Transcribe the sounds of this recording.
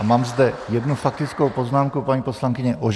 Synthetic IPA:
maːmzd̪ɛjɛdnufak̚t̪ɪt͡skowpo̞znaːmkupaɲiːposlaŋkɪɲɛʔoʒ

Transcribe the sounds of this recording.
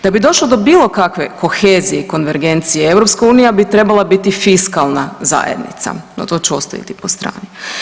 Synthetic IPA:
d̪̥abid̪o̞ʃlˠod̪o̞biːlˠo̞kakʋe̞ko̞xeːzijeiko̞nʋe̞ɾɡe̞nt̪sijeeʋɾo̞pskauːnijabit̪ɾe̞balˠabit̪ifiskalˠnaza̰ːjḛd̪nḭt̪sa̰no̰t̪o̞ːt͡ɕeo̞st̪a̰ḭt̪ipo̞st̪ɾa̰ːni

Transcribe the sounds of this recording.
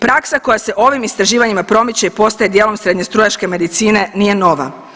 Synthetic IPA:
pɾaksako̞jase̞ʔo̞ʋimist̪ɾaʒiːʋaɲimapɾo̞mit͡ɕe̞ipo̞st̪ajed̪jeːlo̞msɾed̪ɲe̞st̪ɾojaʃke̞me̞d̪it̪siːne̞nije̞no̞ʋa̰

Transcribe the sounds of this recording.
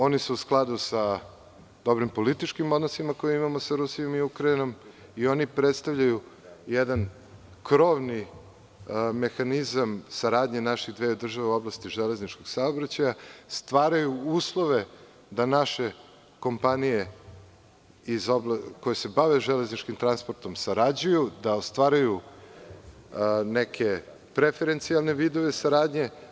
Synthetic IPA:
o̞nisuusklˠad̪usa | d̪o̞bɾimpo̞lit̪it͡ʃkimo̞d̪nosimakojeimamosaɾusio̞miukɾaino̞m | io̞nipɾet̪st̪avʎaju | jɛd̪an | kɾoʋni | me̞xanizamsaɾaːd̪ɲenaʃiɣd̪ʋeːod̪r̩ʒaʋeuo̞blˠast̪iʒele̞znit͡ʃkoɡsaobɾat͡ɕajast̪ʋaːɾajuuːslˠoʋe | d̪anaʃe | ko̞mpanije | izoblkojesebaʋeʒeleznit͡ʃkimt̪ɾanspo̞ɾt̪o̞msaɾad͡ʑujud̪aost̪ʋaːɾaju | nekʰe̞ | pɾefeɾent̪sialˠne̞ʋiːd̪oʋesaɾaːd̪ɲe̞

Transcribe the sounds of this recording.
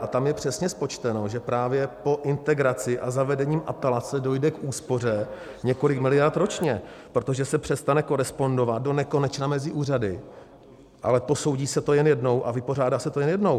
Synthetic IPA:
ʔat̪amjɛpr̝̥ɛsɲɛspo̞t͡ʃt̪ɛno̞ʒɛpɾaːvjɛpo̞ʔɪnt̪ɛɡɾat͡sɪʔazavɛdɛɲiːmʔapɛlat͡sɛdo̞jdɛkʔuːspo̞r̝ɛ | ɲɛko̞lɪkmɪlɪjaɾt̪ɾo̞t͡ʃɲɛpɾo̞t̪o̞ʒɛsɛpr̝̥ɛst̪anɛko̞ɾɛspo̞ndo̞vat̪̚do̞nɛko̞nɛt͡ʃnamɛzɪʔuːradɪ | ʔa̰lɛpo̞so̞wɟiːsɛt̪ojɛnjɛdno̞wʔa̰vɪpo̞r̝aːdaːsɛt̪o̞jɛnjɛdno̞w

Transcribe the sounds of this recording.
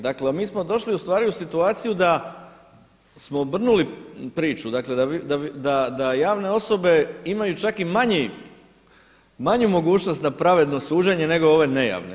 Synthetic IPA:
d̪aklemiːsmo̞d̪o̞ʃliust̪ʋaːɾiusit̪uaːt̪sijud̪a | smobr̩nulipɾiːt͡ʃud̪akle̞d̪ad̪ad̪ad̪ajaːʋne̞o̞so̞be̞imajut͡ʃakimaɲi | maɲumo̞ɡuːt͡ɕno̞st̪napɾaʋe̞d̪no̞suːd͡ʑeɲe̞ne̞ɡo̞o̞ʋe̞ne̞ja̰ʋnḛ

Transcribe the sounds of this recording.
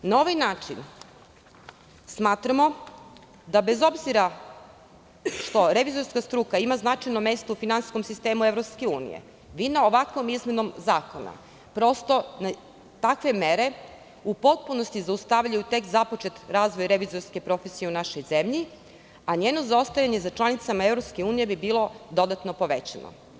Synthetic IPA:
nao̞ʋajnaːt͡ʃin | smaːt̪ɾamo̞ | d̪abe̞zo̞bziɾa | ʃt̪o̞ɾe̞ʋizo̞ɾskast̪ɾuːkaimaznat͡ʃajnome̞st̪oufinansi̥sko̞msist̪e̞ːmuevɾopske̞uːnḭjḛ | ʋinaoʋakʋo̞mizmʲe̞no̞mzaːko̞na̰ | pɾo̞st̪o̞na | t̪akʋe̞meɾe̞ | upo̞t̪̚puno̞st̪izaust̪aʋʎajut̪e̞kzapo̞t͡ʃe̞t̪ɾaːzʋo̞jɾe̞ʋizo̞ɾske̞pɾo̞fesije̞unaʃo̞jze̞mʎi | aɲeːno̞zaost̪ajaɲezat͡ʃlˠanit̪samaevɾopske̞uːnije̞bibiːlo̞d̪o̞d̪at̪nopo̞ʋe̞t͡ɕa̰no̰

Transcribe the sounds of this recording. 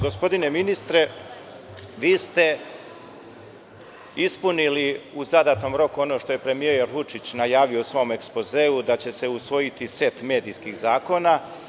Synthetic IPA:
ɡo̞spo̞d̪ine̞minist̪ɾe̞ | ʋiːst̪e̞ | ispuniliuzad̪at̪no̞mɾo̞kuo̞no̞ʃt̪o̞je̞pɾe̞mieeɾʋut͡ʃit͡ɕnajaːʋiosʋo̞ːme̞kspo̞ze̞ːud̪at͡ɕe̞se̞usʋo̞jit̪ise̞t̪me̞ːd̪iːskixzaːko̞na

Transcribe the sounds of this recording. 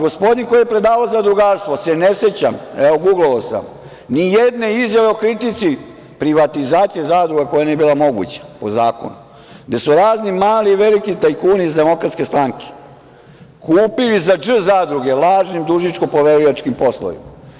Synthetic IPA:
ɡo̞spo̞d̪inko̞jijepɾe̞d̪aːʋaozad̪ɾuɡaːɾst̪ʋo̞seneset͡ɕameʋo̞ɡuɡloʋosa̰m | nijed̪ne̞izjaʋe̞okɾit̪it̪si | pɾiʋat̪izaːt̪sijezaːd̪ɾuɡako̞janijebilˠamo̞ɡṵt͡ɕḁpozaːko̰nu | ɡd̪e̞suɾaːznimaːliʋelikit̪ajkuːniizd̪e̞mo̞kɾat̪ske̞st̪ɾaŋke̥ | kuːpilizad͡ʒ̩zaːd̪ɾuɡe̞lˠaːʒnimd̪uʒit͡ʃko̞poʋeɾuʋat͡ʃkimpo̞sloʋḭma

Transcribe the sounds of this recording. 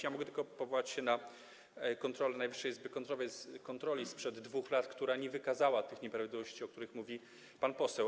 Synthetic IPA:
jamɔɡɛt̪ɘlkɔpɔvɔwat͡ɕɕɛna | kɔnt̪ɾɔlɛnajvɘ̥ʂːɛjɛzbɘkɔnt̪ɾɔvɛskɔnt̪ɾɔlʲispʂɛd̪ːvuxlat̪kt̪uɾaɲɛvɘkazawat̪ɘxɲɛpɾavʲid̪lʲivɔɕt͡ɕiɔkt̪uɾɘxmuvʲi | panpɔsɛw

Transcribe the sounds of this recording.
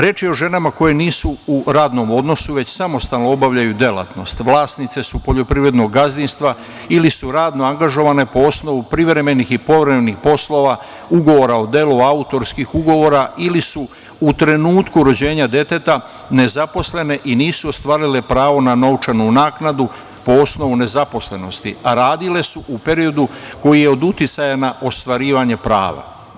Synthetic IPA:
ɾje̞t͡ʃjeo̞ʒe̞namako̞je̞niːsuuɾaːd̪no̞mo̞d̪no̞suʋe̞t͡ɕsamo̞st̪alnoobaʋʎajud̪je̞la̰t̪no̞̰st̪ʋlˠaːsnit̪se̞supo̞ʎo̞pɾiʋɾe̞d̪noɡɡazd̪inst̪ʋa | ilisuɾaːd̪no̞aŋɡaʒo̞ʋane̞po̞osno̞ʋupɾiʋɾe̞me̞nixipo̞ʋɾemenixpo̞slo̞ʋa | uɡo̞ʋo̞ɾaod̪eluaut̪o̞ɾskixuɡo̞ʋo̞ɾailisu | ut̪ɾe̞nuːt̪kuɾo̞d͡ʑe̞ːɲad̪e̞t̪e̞t̪a | ne̞zapo̞sle̞ne̞ʔiniːsuo̞st̪ʋaːɾile̞pɾaːʋo̞nano̞wt͡ʃanunaːknad̪u | po̞o̞sno̞ʋune̞zapo̞sle̞no̞st̪ḭaɾaːd̪ile̞suʔupe̞ɾio̞d̪uko̞jijeo̞d̪ut̪jit̪sajanaʔo̞st̪ʋaɾiːʋaɲe̞pɾa̰ːʋa̰

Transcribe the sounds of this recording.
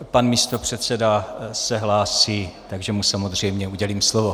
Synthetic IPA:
panmiːst̪o̞pr̝̥ɛt̪t͡sɛdasɛɦlaːsiːt̪aɡʒɛmusamo̞zr̝ɛjmɲɛuɟɛliːmslovo̞

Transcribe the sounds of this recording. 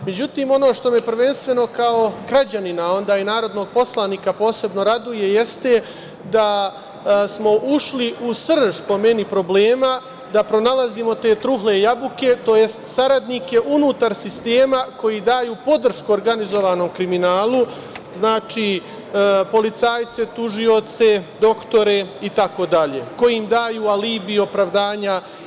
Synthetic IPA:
me̞d͡ʑut̪iːmo̞no̞ːʃt̪o̞mepɾ̩ʋe̞nst̪ʋe̞no̞kao̞ɡɾad͡ʑaninao̞nd̪aːinaːɾo̞d̪noɡ̚po̞slˠaniːkapo̞ːse̞bno̞ɾad̪uje̞je̞st̪e̞ | d̪a | smo̞ʔuʃliusr̩ʒpo̞me̞nipɾo̞ble̞ːma | d̪apɾo̞nalazimo̞t̪eːt̪ɾuɦle̞jabuke̞t̪o̞ːje̞st̪saɾad̪nike̞ʔunuːt̪aɾsist̪e̞ːmako̞jid̪aːjuːpo̞d̪r̩ʃkuoɾɡanizo̞ʋaːno̞mkɾiminaːlˠu | znaːt͡ʃi | po̞lit̪saːjt̪se̞t̪uʒio̞t̪se̞d̪o̞kt̪o̞ɾe̞it̪ako̞d̪aʎe̞̰ko̞jimd̪aːjuːaliːbio̞pɾaʋd̪aːɲa

